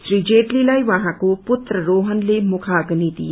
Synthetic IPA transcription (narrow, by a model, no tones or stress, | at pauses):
sɾiːd͡ʒeːʈlilajʋɐɦãkopʊt̪ɾəɾoːɦənlemʊkʰaɡnid̪ḭ